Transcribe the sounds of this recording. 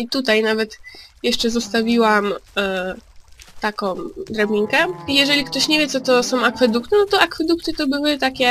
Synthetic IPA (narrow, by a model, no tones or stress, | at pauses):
it̪ut̪ajnavɛt̪jɛʂt͡ʂɛzɔst̪avʲiwam | t̪akɔ̃w̃d̪ɾabʲiŋkɛijɛʐɛlʲikt̪ɔɕɲɛvʲjɛtsɔt̪ɔsɔ̃w̃akfɛd̪ukt̪ɘnɔt̪ɔakfɛd̪ukt̪ɘt̪ɔbɘwɘt̪akʲɛ